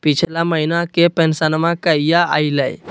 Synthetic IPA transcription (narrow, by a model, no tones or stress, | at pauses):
pit͡ʃʰlaməɦinakepensanmãkəijaa̰iləj